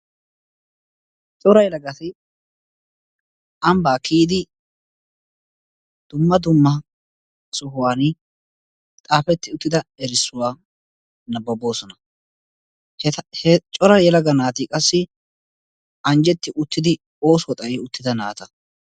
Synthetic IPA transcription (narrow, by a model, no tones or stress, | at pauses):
t͡ʃʼɔɾɐjɛlɐɡɐt̪ɪ | ʔɐmbaːkʰiːd̪ɪ | d̪̥ʊmːɐd̪ʊmːɐ | sɔɦʊwaːn | t̪ʼaːfɛt̪ːɪʊt̪ːɪd̪ɐɛɾɪsːʊwaː | nɐbɐbo̞ːsɔnɐ | hhɛt͡ʃʼɔɾɐjɛlɐɡɐnaːt̪ɪkʼɐsːɪ | ɐnd͡ʒɛt̪ːɪʔʊt̪ːɪd̪ɪ | oːswɔt̪ʼɐjɛʊt̪ːɪd̪ɐnaːt̪ɐ